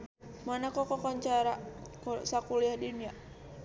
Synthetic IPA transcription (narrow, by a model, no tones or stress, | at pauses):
manakɔkɔkɔɲt͡ʃaɾakusakuliahdinia